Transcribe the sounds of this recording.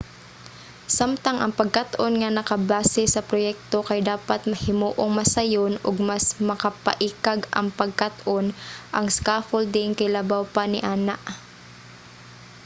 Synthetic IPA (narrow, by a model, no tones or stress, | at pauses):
samt̪ɐŋʔɐ̰ŋpɐɡ̚kat̪ʔonŋɐnɐkɐbaːsɛsɐpɾojɛk̚t̪o̞kɐjd̪aːpat̪̚mɐhɪmoːʔoŋmɐsɐjonoɡ̚masmɐkɐpɐ̰ʔikaɡɐ̰ŋpɐɡ̚kat̪ʔonʔɐŋskaːfold̪ɪŋkɐjlɐbawpanɪʔaːnaʔ